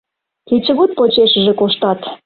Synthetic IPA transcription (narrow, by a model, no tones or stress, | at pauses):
kit͡ɕə̆βot̪̚pot͡ɕeʃə̆ʒĕkoʃt̪ɑt̪